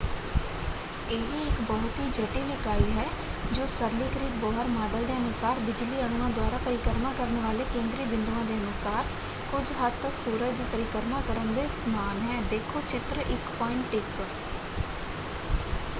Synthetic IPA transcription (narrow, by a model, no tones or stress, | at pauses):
eːʋiːɪkbɔːt̪iːd͡ʒəʈiːlɪkaːiːɦɛː | d͡ʒoːsəɾliːkɾiːk̪̚bɔːɦəɾmaːɖəld̪eːənʊsaːɾbɪd͡ʒliːəɳːãːd̪ʊaːɾaːpəɾɪkəɾmãːkəɾnʋaːleːkẽːnd̪ɾiːbɪ̃nd̪uãːd̪eːənʊsaːɾ | kʊd͡ʒɦəd̪̚t̪əksuːɾəd͡ʒd̪iːpəɾɪkəɾmãːkəɾənd̪eːsəmaːnɦɛːd̪eːkʰoːt͡ʃɪt̪ɾəʔɪkpɔːɪ̃ɳʈɪk